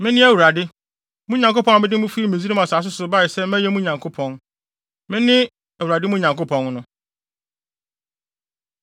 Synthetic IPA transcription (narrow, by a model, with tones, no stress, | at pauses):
mɪ̃˦nɪ̃˦æ˦˨wu˨ɾa˨dɪ˦ | mũ˦ɲã˨ŋko˦pɔ̃˦a˨mɪ̃˦dɪ˦mũ˦fi˦i˦mĩ˨zi˦ɾĩ˦mã˨saː˨s̬ʊ˦sʊ˨ba˦ɪ˨sɛ˦mæ̃˦jɛ˦mũ˦ɲã˨ŋkʰo˦pʰɔ̃˨n | mɪ̃˦nɪ̃˦ | æ˨wu˨ɾa˨dɪ˦mũ˦ɲã˨ŋko˦pʰɔ̃˨nnʊ̃˦